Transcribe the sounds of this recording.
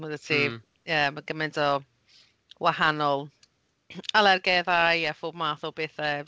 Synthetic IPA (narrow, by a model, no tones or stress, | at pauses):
mədətʰi | əmaɡəmɛndɔ | wahanɔlˠ | alˠɛrɡɛðajjɛfʊbmaːθʊbeːθə